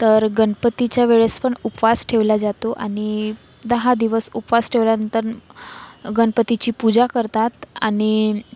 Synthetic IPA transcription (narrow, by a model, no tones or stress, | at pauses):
t̪əɾɡənpət̪it͡ɕjaʋeɭespəɳupʋasʈʰeʋlad͡zat̪oʔaɽ̃i | d̪əɦad̪iʋəsupʋasʈʰeʋljanənt̪əɾ | ɡəɳpət̪it͡ɕiːpud͡ʑakəɾt̪at̪aɽ̃i